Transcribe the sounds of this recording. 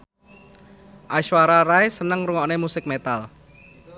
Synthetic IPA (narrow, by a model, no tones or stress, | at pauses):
ʔaʃwaɾaɾaesənəŋruŋɔnemusɪk̚met̪al